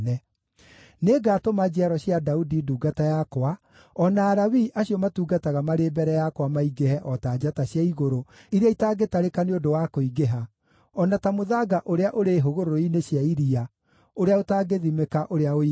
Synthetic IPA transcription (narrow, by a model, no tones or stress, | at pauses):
nɛ | neːɡaːtomad͡ʑeaɾɔɕjadaudiduːɡatajakwa | ɔnaːɾawiʔaɕiɔmatuːɡataɣamaɾeːbɛɾɛjakwamaiɡehɛʔɔtaːd͡ʒataɕjaiɣoɾoiɾeaitaːɡetaɾekaneodowakoiɡeɦa | ɔnatamoðaɡaʔoɾeaʔoɾeɦoɣoɾooineɕjaiɾia | oɾeaotaːɡeðimekaʔoɾeao